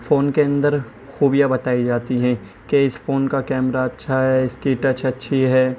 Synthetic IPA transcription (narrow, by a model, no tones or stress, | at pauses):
foːnkeɐ̃nd̪əɾ | xuːbijabɐt̪aːid͡ʒaːt̪iɦɛ̃ː | keɪsfoːnkakɛːmɾaɐtːʃʰaɦɛɪskiʈɐt͡ʃɐtːʃʰiɦɛː